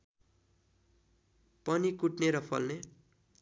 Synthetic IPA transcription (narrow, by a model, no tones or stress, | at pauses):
pʌnikuʈneɾʌpʰʌ̰lne